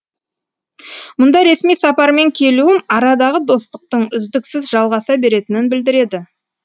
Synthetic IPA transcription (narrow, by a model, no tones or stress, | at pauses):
mʊnd̪ɑɾe̞smijsɑpɑɾme̞ŋkʲʰe̞luɪnɑɾɑd̪ɑʁəd̪o̞st̪əq̚t̪əɴʏzd̪ɪksɪzʒɑlˠʁɑsɑbe̞ɾe̞t̪ɪnɪnbɪld̪ɪɾe̞d̪ɪ